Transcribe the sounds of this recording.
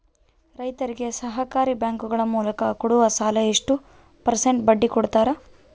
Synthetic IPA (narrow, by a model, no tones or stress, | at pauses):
ɾɐjt̪ɐɾiɡe̞sɐɦɐkaːɾibjaːŋkuɡɐɭɐmuːlɐkɐkuɽuʋɐsaːlɐeʂʈu | pɐɾseɳʈbɐɖːikɔɽt̪aːɾɐ